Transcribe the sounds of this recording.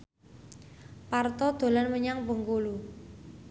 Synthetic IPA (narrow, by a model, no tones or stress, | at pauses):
part̪ɔd̪̥o̤lanməɲaŋpəŋkulu